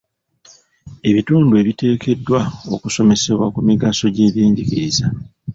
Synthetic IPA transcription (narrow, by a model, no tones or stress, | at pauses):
e̞βituːndue̞βite̞ːkʰe̞dːwao̞kuso̞me̞se̞βwakumiɡaso̞ɟe̞ːβjeːɲɟiciɾiza